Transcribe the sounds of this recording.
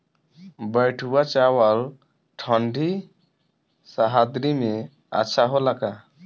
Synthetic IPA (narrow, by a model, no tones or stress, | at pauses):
bəjʈʰuwat͡ʃawal | ʈʰɔɳɖʱi | saɦad̪ɾime | a̰ʃʰaɦolaɡa